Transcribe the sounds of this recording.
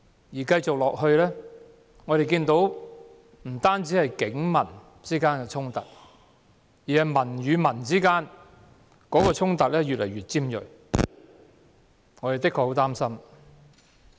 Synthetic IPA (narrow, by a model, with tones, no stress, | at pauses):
jiː˨˩kɐ˧jt͡sʊ˨k̚lɔː˨k̚hɵ˧ɥlɛː˥ | ŋɔ˨˧ɾe˨jkiː˧nt̪o˨˥w | m̩˨˩t̪aː˥nt͡siː˨˥hɐ˨jkɪ˨˥ŋmɐ˨˩n | t͡siː˥kaː˥nkɛː˧t͡sʰʊ˥ŋt̪ɐ˨t̚ | jiː˨˩hɐ˨jmɐ˨˩nɥyː˨˧mɐ˨˩nt͡siː˥kaː˥n | kɔː˨˥kɔː˧t͡sʰʊ˥ŋt̪ɐ˨k̚lɛː˥jy˨t̚lɐ̰˨˩jɥyː˨˩t̚t͡siː˥mjɵ̰˨˩ | ŋɔː˨˧ɾe˨jt̪ɪ˥kʰɔ˨˧ho˨˥wt̪aː˥msɐ˥m